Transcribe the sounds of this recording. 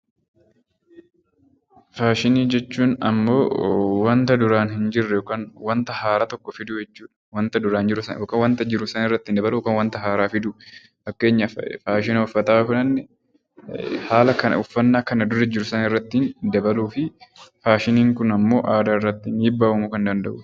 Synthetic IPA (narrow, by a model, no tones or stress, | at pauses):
faːʃɪniːd͡ʒɛt͡ʃːuːnɐ̰mːo̞ːwɐnt̪ɐd̪ʊɾaːnhɪnd͡ʒɪrːɛjoːkaːnwɐnt̪ɐhaːɾaːt̪ɔkːɔfɪd̪ʊd͡ʒɛt͡ʃːuːᶑɐ̥wɐnt̪ɐd̪ʊɾaːnd͡ʒɪɾʊsɐ̰oːkɐwɐnt̪ɐd͡ʒɪɾʊsɐnɪrːɐt̪ːɪnd̪ɐbɐlʊkaːnwɐnt̪ɐɦaːɾaːfɪd̪ʊ | fɐkːe̞ːɲːɐfaːʃɪnɐʊfːɐt̪aːkʊnɐnːɛ | haːlɐkɐn̰ʊfːɐnːaːkɐnɐd̪ʊɾːɛd͡ʒɪɾʊsɐnɪrːɐt̪ːɪnd̪ɐbɐluːfɪfaːʃɪniːŋkʊnɐmːo̞ːʔaːd̪aːɪrːɐt̪ːɪmiːbːaːwɐmukɐnd̪ɐnd̪ɐʔʊ